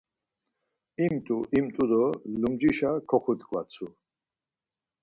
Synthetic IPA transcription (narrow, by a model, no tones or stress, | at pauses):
imt̪ʼuʔimt̪ʼud̪ɔlumd͡ʒiʃakʰɔχut̪kʼva̰t͡sʰu